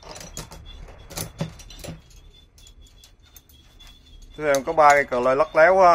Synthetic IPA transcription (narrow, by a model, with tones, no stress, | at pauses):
t̪ʰɨ˧mkɔ˨˦ɓaː˧kaː˧˩jkəː˨˩ləː˧˩jlə˦˥k̚lɛ˨˦wa˧